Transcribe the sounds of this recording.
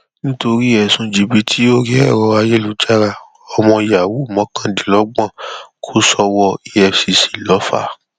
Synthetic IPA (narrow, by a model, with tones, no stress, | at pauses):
nĩ˦to˧ɾi˦ɛ˨sũ˧d͡ʒi˨˧bi˧˦tʰi˦o˦ɾi˦ɛ˦˨ɾɔ˧a˧je˦lu˨˦d͡ʒa˦ɾa˧˨ | ɔ˧mɔ̃˧i˧ja˨wu˨˦u˦˨mɔ̃˨˦kã˦˨dĩ˨˦lɔ˨˦ɡ͡bã˦˨kʰo˦sɔ˧wɔ˧i˧ɛ˧fsi˧si̥˨lɔ˨˦fa̰˦˨